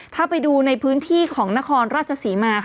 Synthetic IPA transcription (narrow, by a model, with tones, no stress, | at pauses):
t̪ʰaː˥˩pa˧jduː˧na˧jpʰɯː˦˥nt̪ʰiː˥˩kʰɔː˩˦ŋna˦˥kʰɔː˧nɾaː˥˩t̚t͡ɕʰa˧siː˩˦maː˧